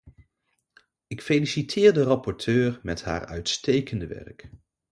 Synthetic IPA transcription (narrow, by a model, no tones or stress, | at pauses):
ɪkfejlisitʰɪːɹdərɑpɔɹtʰøːɹmɛtɦa̰ːɹœ̰ɥtstejkəndəʋɛ̰ɹk